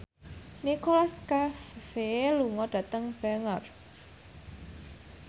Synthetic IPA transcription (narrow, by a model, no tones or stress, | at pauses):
nikolaskaffeluŋɔɖ̥ä̤t̪əŋb̥ɛŋər